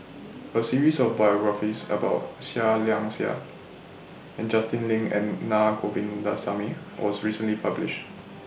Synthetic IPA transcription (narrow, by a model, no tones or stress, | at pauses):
əsiɹisɔfbajɔɡɹafisə̰baʊt̚saliãŋsia̰ | ɛ̃nd͡ʒastɪ̃nlɪ̃ŋɛ̰̃nːakʰovĩndasami | wʔɔsɹisə̃nlipʰablɪ̰ʃt